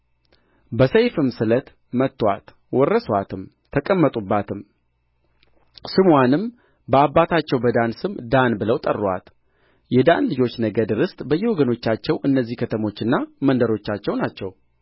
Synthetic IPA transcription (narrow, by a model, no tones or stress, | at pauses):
bəsəjfɨmsɨlət̪ | mət̪ːwa̰t̪ | wɔrːəswat̪ʰɨmt̪ʰəkʼəmːət̪ʼubːat̪ʰɨm | sɨmwanɨm | bəabːat̪ʰat͡ʃːɛwbəd̪ansɨmd̪anbɨləwt̪ʼə̰rːwa̰t̪ | jɛd̪anlɨd͡ʒo̞t͡ʃːnəɡəd̪ɨɾɨst̪ʼbəjːɛwɔɡəno̞t͡ʃːat͡ʃːɛwʔɨnːəzːihkʰət̪ʰəmo̞t͡ʃːɨnːamənd̪əɾo̞t͡ʃːat͡ʃːɛwnat͡ʃːɛw